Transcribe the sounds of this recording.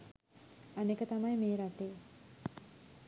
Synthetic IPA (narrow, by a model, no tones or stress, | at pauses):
ɐnekət̪ɐmɐjmeːɾaʈeː